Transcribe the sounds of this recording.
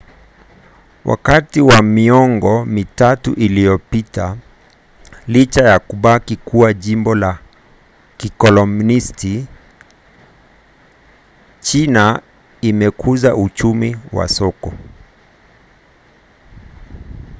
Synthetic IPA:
wʔa̰katiwamiɔŋɡɔmitatuʔilijɔpita | lit͡ʃajakuɓakikʰuwaʄimbɔla | kikɔlɔmnisti | t͡ʃina | imɛkʰuzaut͡ʃumiwa̰sɔkɔ

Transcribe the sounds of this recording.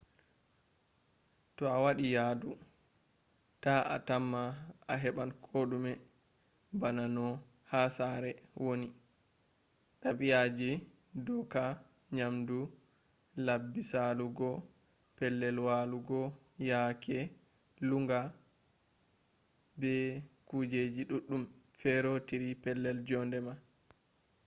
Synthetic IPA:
tɔawaɗijaːdu | taa̰tamːaaɦɛɓankʰoɗumɛ | bananɔ | hasaɾɛwoni | ɗaɓijad͡ʒi | dɔka | ɲamdu | labːisaluɡɔ | pɛlːɛlwaluɡɔ | jakʰɛ | luŋɡa | bɛkud͡ʒed͡ʒiɗuɗːumfɛɾotiɾipɛlːɛld͡ʒɔndɛma

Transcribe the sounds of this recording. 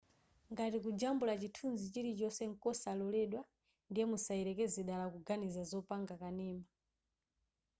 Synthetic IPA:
ŋɡatikud͡ʒambulat͡ʃitʰunzit͡ʃiɾit͡ʃɔsɛŋ̩kɔsalɔlɛɗwa | ndijɛmusaiɾɛkɛziɗalakuɡanizazɔpaŋɡakanɛːma

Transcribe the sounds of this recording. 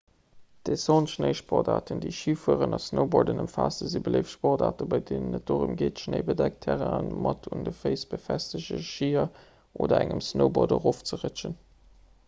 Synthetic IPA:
d̥esoːnʃnəɪʃpɔʁdaːtəndeɪʃiːfuəʁənɑsnəʊboːdənəmfaːstəzibələɪfʃpɔʁdaːtəbɑɪdeːnənːət̚doːʁumɡeːtʃnəɪbədæk̚tʰæʁanmɑtʰundəfəɪsb̥əfæstəʑəʃiːɐ | ʔo̰ːdɐæŋəmsnoʊbodəʁoːft͡səʁət͡ʃən

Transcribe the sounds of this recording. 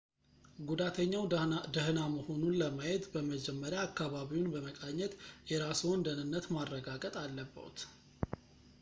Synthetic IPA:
ɡud̪at̪ʰəɲːawd̪əhnaməho̞nunləmajet̪bəməd͡ʒɛmːəɾjaːkːaβaβiwunbəməkʼaɲːɛt̪jɛɾasəwnd̪ənɨnːət̪marːəɡaɡət̪ʼalːəbːə̰wṵt̪

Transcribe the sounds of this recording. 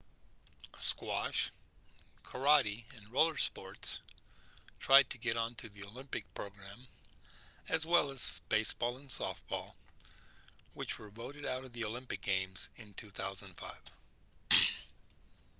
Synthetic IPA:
skwɑʃ | kʰə˞ɑɾiɨ̃nɹoʊlˠə˞spɔɹts | tʰɹ̥aɪd̚tʰɨɡɛɾ̃n̩tʰɨðioʊlɪ̃mpɨk̚pʰɹ̥oʊɡɹæ̃m | ɨzwɛlˠəz̥b̥eɪsb̥ɔlˠə̃nsɔfb̥ɔlˠ | wɨt͡ʃwə˞voʊɾɨɾaʊɾʌvðioʊlɪ̃mpɨk̚ɡ̥ẽɪ̃mz̥ɨ̃ntʰʉθaʊzə̃nfa̰ɪv̥

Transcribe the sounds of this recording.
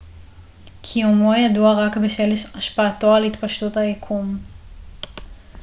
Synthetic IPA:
kʰijumo̞jaduaʁakbeʃeleʃaʃpaːto̞alhitpaʃtuthajakʰum

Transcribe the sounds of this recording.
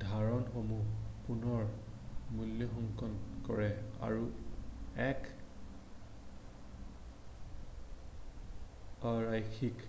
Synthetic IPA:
dʱaɹɔnxomupunɔɹmuljɔxɔŋkɔnkɔ̰ɹɛa̰ɹu | ɛk | ɹajkʰik

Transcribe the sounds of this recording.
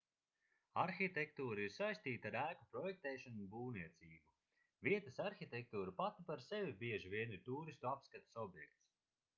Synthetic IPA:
aɾxit̪ekt̪uːɾaiɾsajst̪iːt̪aɾæːkupɾɔjɛk̚t̪ɛːʃanubuːniɛt̪siːbu | viɛt̪asaɾxʲit̪ek̚t̪uːɾupat̪ipaɾsevibiɛʒivʲiɛnit̪uːɾist̪uapskat̪ḁsɔbjɛk̚t̪s

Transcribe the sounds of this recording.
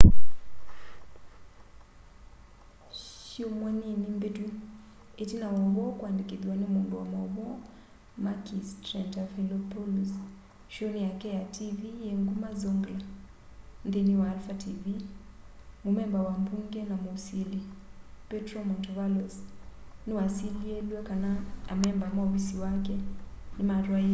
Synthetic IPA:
ʃʃiomwaninimbetu | etinawaβɔkwandikiðwanɛmunduwa̰mɔβɔ | makistɾɛntafilɔpɔluz | ʃɔnijakɛjatʰivijeŋɡumazɔŋɡla | n̩ðeniwaːlfatʰivi | mumɛmbawambuŋɡɛnamusilipɛtɾɔmɔntɔvalɔsniwasiliɛluwakanaamɛmbamawisiwak̬ɛnimaɾwai

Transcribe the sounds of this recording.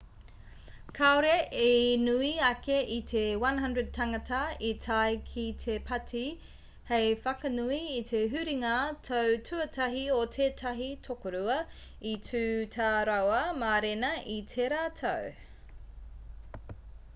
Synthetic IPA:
kʰaoɾeʔenuiɐkeʔitʰewɐnɦɐndɹəd̚tʰɐŋɐtɐitʰajkʰitʰepʰɐtʰi | hejfɐkɐnuiːtʰeɦʉɾiŋatʰowtʰʉɐtʰɐɦiotʰeːtʰɐɦitʰokoɾuɐ | itʰʉːtʰaɾawɐmaɾenɐʔitʰeɾaːtʰo̰w

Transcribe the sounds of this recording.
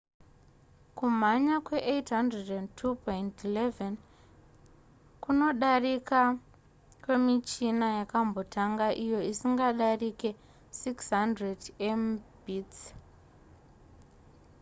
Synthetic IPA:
kum̤aɲakwe̞ʔetɦandredentʰupojntileven | kuno̞ɗarika | kwe̞mit͡ʃinajakambo̞tʰaŋɡaʔijo̞isiŋɡaɗarike̞ | siksɦandredembiːt͡s

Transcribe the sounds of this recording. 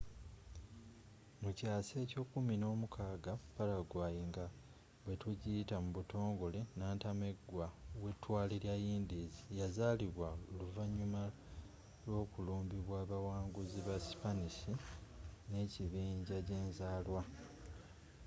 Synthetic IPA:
mucaːse̞ːco̞ːkumino̞ːmukʰaːɡapalaɡwaːjiŋɡa | βwe̞tuɟitamuβuto̞ːŋɡo̞le̞naːntame̞ɡwawe̞tːwaːliɾjajiːndizijazaliβwaoluvaɲuma | lwo̞ːkuluːmbiβwaːβawaːŋɡuziβasi̥panisi | ne̞ciβiːɲɟaɟe̞ːnzaːlwa

